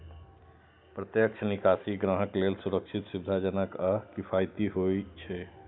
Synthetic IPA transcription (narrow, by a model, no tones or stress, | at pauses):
pɾət̪jəkt͡ʃʰənikasiɡɾəɦəklelsuɾəkʃʰit̪subd̪ʱad͡ʒənəkəkipʰajt̪iɦot͡ʃʰɛ